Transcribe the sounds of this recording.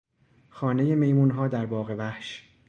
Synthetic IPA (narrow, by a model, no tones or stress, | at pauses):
xɒːne̞jeme̞jmuːnɦɒːd̪æɾbɒːɣe̞væhʃ